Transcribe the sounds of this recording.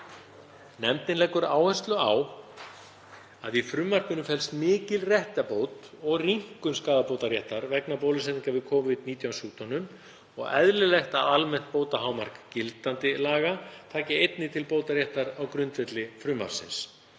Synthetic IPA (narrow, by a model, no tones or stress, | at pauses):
nɛmt̪ɪnlɛkʏɾaːwhɛ̥st̪lʏaw | aðifɾʏːmːar̥kʏnʏmfɛlst̪mɪːcɪlrjɛht̪apoːwt̪ | ɔɣriŋ̥kʏnskaːðapowt̪aɾjɛht̪aɾvɛknapowlɪsɛt̪ːɪŋkavɪðkʰɔːvɪt̪̚niːt̪jawsjuːt̪ʰɔnʏm | ɔ̰ɣɛ̰ðlɪlɛjht̪aalmɛn̥t̪̚poːwt̪aɦaːwmar̥kcɪlt̪ant̪ɪlaːɣat̪ʰaːcɪejt̪nɪt̪ʰɪlpoːwt̪aɾjɛht̪aɾawkɾʏnt̪vɛt̪lɪfɾʏːma̰ɾ̥sɪ̰ns